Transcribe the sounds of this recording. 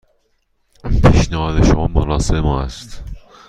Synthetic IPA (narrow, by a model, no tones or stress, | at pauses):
pʰiːʃnæhɒːd̪eʃomɒːmoɾɒːsemɒːæst̪